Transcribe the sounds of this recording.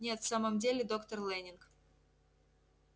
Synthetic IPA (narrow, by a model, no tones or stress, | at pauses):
nʲet̪fsaməmdʲelʲɪd̪okt̪ərlˠɛnʲɪnk